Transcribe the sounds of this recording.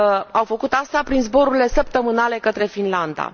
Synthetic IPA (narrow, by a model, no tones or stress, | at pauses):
awfəkut̪ast̪apɾinzbo̞ɾuɾʲile̞səp̚t̪əmɨnale̞kət̪ɾe̞finland̪a̰